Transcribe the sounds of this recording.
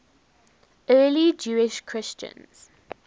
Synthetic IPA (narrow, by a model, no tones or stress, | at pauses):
ɜːlid͡ʒuːɪʃkʰɹ̥ɪst͡ʃə̰̃nz̥